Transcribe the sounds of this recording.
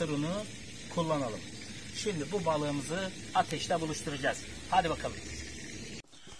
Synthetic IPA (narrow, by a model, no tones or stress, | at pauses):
ɯɾɯnɯ | kʰulˠːanalˠɯm | ʃimd̪ʲibubaːlˠɯːmɯzɯ | at̪ʰɛʃlɛbulˠuʃt̪ʰuɾad͡ʒaz̥ | had̪ʲibakʰalˠɯm